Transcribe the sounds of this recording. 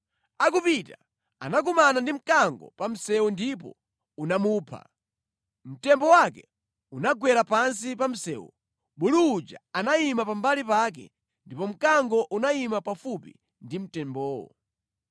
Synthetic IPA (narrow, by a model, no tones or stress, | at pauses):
akupita | a̰nak̬umanandim̩kaŋɡɔ̰pam̩sɛwundip̬ɔ̰ | unamuːpʰa̰ | m̩tɛmbɔwakɛ | unaɡwɛɾapans̬ipam̩sɛ̰ːwṵ | ɓuluːd͡ʒa̰anaimapambalipak̬ɛ̰ | ndipɔm̩kaŋɡɔʔunaimapafupḭ | ndim̩tɛmbɔːwɔ̰